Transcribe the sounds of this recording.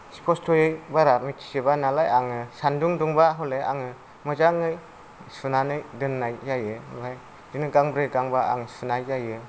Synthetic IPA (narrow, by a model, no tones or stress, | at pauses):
si̥pʰɔstʰɔjɯjbaɾamitʰi̥sɯbanalajaŋɯsanduŋduŋbaɦɔleʔa̰ŋɯ | mɯzaŋɯj | sunanɯjdɯnːajjajɯbaj | dɯnɯɡaŋbɾɯɡaŋbaa̰ŋsunajːajɯ